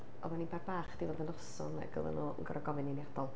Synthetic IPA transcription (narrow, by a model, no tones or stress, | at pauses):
ɔ̰maninbarbaːχd̥ivoːdənɔsɔna̰ɡə̰lˠə̰nuːə̰nɡɔɾʔaɡɔvɨniniadɔlˠ